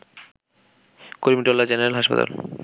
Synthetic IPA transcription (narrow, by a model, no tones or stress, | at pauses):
koɾmiʈolːad͡ʑeneɾelɦaʃpa̰t̪a̰l